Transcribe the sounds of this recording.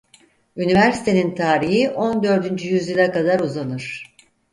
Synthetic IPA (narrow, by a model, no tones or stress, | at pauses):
ynivæɾsi̥t̪ʰe̞nint̪ʰaːɾiɦiʔo̞nd̪ø̞ɾd̪ynd͡ʒyjyzjilʲˠakad̪aɾuzanɯɾ̥